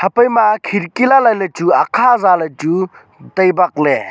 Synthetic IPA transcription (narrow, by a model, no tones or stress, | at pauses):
hɐpəjmakʰiɾkilalajlat͡ʃuakʰazalajtu | tɐjbak̚le